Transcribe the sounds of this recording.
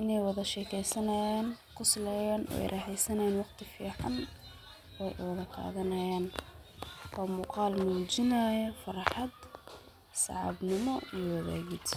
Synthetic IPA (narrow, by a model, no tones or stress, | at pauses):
ʔɪnɛjwɑðɐʃɛːkʰɛjsɐnɐjaːnqʰʊslɛjaːnʔɔ̰ɛ̰jrʔɛːħɛjsɐnɐjaːnwɑqt̪ʰɪfiːʕɑ̰n | ʔɛjʔwɑðɐqʰɑ̰ːðɐnɐjaːn | wɑːmuːqɑːlmuːd͡ʒɪnɐːjɐfɑrħɑd̪ | sɑ̰ʕɑ̰bnɪmɔijwɐðæ̰ːɣɪd̪